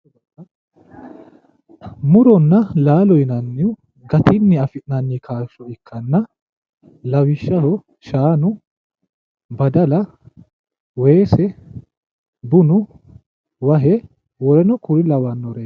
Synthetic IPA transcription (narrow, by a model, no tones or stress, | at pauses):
mʊɾɔnːɐlaːlɔjɪnɐnːɪjʊ | ɡɐt̪ɪnːɪɐfɪʔnɐnːɪkʰaːʃɔɪkʰːɐnːɐ | lɐwɪʃːɐhɔ | ʃaːnʊ | bɐd̪ɐlɐ | weːsɛ | bʊnʊ | wɐɦɛ | wɔɾɛnɔkʊɾɪlɐwɐnːɔɾeː